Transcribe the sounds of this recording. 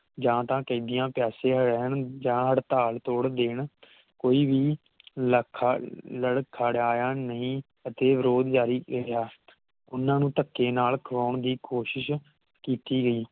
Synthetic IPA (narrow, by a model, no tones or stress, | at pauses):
d͡ʒãːt̪ãːkəĩːd̪ɪjãːpɛːsẽːɦəɽɛːɳd͡ʒãːɦəɽt̪aːlt̪oːɽd̪eːɳ | koːiːʋiː | kʰləɽkʰaːɽaːjaːnəɦĩː | ət̪eːʋɪɾoːd̪d͡ʒaːɾiːjaː | ʊnːãːnũːt̪əkːeːnaːlkʰəʋaːɳd̪iːkoːʃɪʃ | kiːt̪iːɡəiː